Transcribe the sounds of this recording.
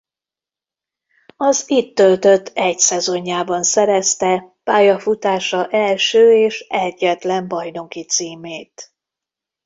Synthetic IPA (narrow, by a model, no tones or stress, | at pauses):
ɒzit̪ːø̞lt̪ø̞t̪ʰːɛcsɛzo̞ɲːaːbɒnsɛɾɛst̪ɛpaːjɒfut̪aːʃɒʔɛlʃøːeːʃɛɟːɛt̪lɛmbɒjno̞kit̪siːmeːt̪